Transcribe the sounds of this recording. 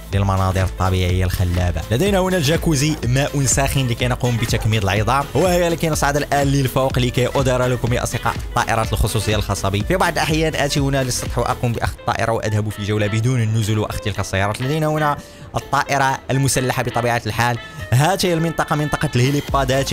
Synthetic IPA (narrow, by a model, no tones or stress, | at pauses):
ləlmɑnɑd̪ˤəɾət̪ˤːɑbiʕəjːalxælːæba̰læd̪æjnæhʊnælʒækuzimæʔʊnsæxinlikæjnqumbət̪ækmid̪əlʕəd̪ˤɑwhəjːælikæjnəsˤʕɑd̪əlʔænːilfuwqlikæjʔʊd̪iɾˤɑləkʊmiʔɑ̰sˤd̪əqɑ̰ʔət̪ˤːɑʔə̰ɾˤɑt̪əlxosˤusˤdəjːalxɑsˤɑbifibɑʕd̪ˤlʔaħjænʔæt̪ihʊnælisˤːɑt̪ˤħwʔæ̰qumbiʔæ̰xd̪̚t̪ˤːɑ̰ʔə̰ɾʔɑwʔæd̪hæbufiʒəwlabəd̪unənːʊzʊlwʔæ̰xd̪əlkæsːæjːɑɾˤɑt̪læd̪æjnæhʊnæ | ʔət̪ˤːɑʔəɾˤɑəlmʊsælːaħabət̪ˤɑbiʕat̪əlħal | ɦæt̪jːælmənt̪ˤɑqɑmənt̪ˤɑqɑlhilipːɑd̪æt̪